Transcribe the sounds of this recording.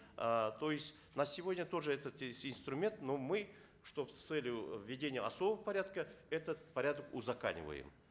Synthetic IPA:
t̪o̞jɪsʲtʲ | nɐsʲɪvo̞dʲnʲət̪o̞ʐɨɛt̪ət̪sʲɪnst̪ɾʊmʲe̞nt̪no̞mɨ | ʂt̪ost̪sɛlʲjʊvʲːɪdʲenʲɪjəɐso̞bəvəpɐɾʲad̪kəɛt̪ət̪pɐɾʲad̪əkʊzɐka̰nʲɪ̰və̰jɪ̰m

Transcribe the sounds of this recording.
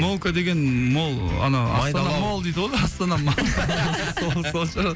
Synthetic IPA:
molˠkad̪e̞ɡʲe̞nmolˠɑ̰nɑɑ̰st̪ɑnɑmolˠd̪ejd̪əwoj̪ʲˠɑst̪ɑnɑmɑsolˠsolˠʃɑɾ

